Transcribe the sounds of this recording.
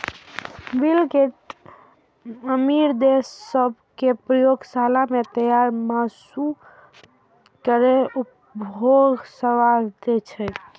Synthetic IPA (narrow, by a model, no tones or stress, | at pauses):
bilke | əmiɾd̪esːəbʱkepɾəjoɡsalamet̪əjaɾmasu | kəɾeup | boɡsəʋaɾd̪et͡ʃʰɛ